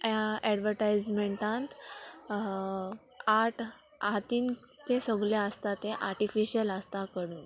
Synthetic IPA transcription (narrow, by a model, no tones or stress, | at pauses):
jaɛɖʋəɾʈajd͡zmeɳʈãnt̪ | aʈʰ | at̪iːn | t̪esəɡleəst̪at̪ẽʔaɾʈifiɕələst̪akəɽuːn